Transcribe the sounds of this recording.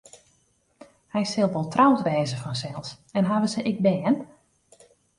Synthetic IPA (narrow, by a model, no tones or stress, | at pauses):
hɛjsɪlˠʋɔlˠtrawtʋɛːzəfɔnsɛlˠs | ɛnɦaʋəsəʔɪɡ̚bɛːn